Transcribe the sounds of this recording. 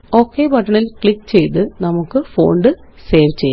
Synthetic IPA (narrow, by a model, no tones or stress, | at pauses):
o̞ːkːebɐʈːɐɳilkɭikːt͡ɕe̞jt̪ɨnɐmukːɨfo̞̰ːɳɖɨ | se̞ːɾt͡ɕejːa